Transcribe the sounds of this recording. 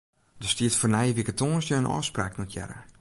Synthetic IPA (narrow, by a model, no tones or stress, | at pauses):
dəstiətfonɛjəʋikətʰoːnsjəənʔɔ̰ːspraːknɔtʰjɛ̰ɾə̰